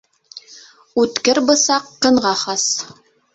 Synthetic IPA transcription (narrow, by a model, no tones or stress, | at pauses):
ʉt̪kɘɾbɤ̆sɑqːɤ̆ɴʁɑχɑs